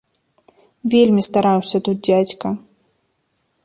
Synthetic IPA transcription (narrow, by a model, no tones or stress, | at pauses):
vʲelʲmʲist̪aɾawsʲɐt̪ut̪̚d͡zʲat͡sʲkɐ